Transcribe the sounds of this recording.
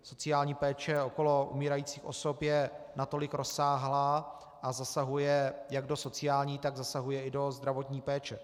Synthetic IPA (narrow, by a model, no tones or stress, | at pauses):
so̞t͡sɪjaːlɲiːpɛːt͡ʃɛo̞ko̞lo̞ʔṵmiːɾajiːt͡siːxʔo̞̰so̞pjɛnat̪o̞lɪkɾo̞saːɦlaː | ʔazasaɦujɛjaɡdo̞so̞t͡sɪjaːlɲiːt̪aɡzasaɦujɛɪdo̞zd̪ɾavo̞t̪ɲiːpɛːt͡ʃɛ